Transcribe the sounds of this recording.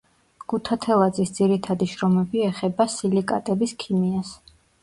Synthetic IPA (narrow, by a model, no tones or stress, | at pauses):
ɡ̥ut̪ʰat̪ʰɛlˠad̪zisd̪z̥iɾit̪ʰad̪iʃɾɔmɛbiɛχɛbasilikʼa̰t̪ʼɛbiskʰimias